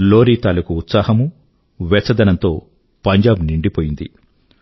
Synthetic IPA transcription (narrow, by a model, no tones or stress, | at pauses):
loːɾiːt̪aːlɐkuːt̪saːhɐmu | ʋɛt͡ʃːɐd̪ɐnɐnt̪o̞ː | pɐɲd͡ʒaːbniɳɖipoːjind̪ḭ